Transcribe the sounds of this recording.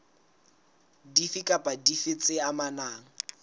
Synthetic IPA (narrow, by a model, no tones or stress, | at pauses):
difikʼapʼadifɪt͡sʼɪamanaːŋ̩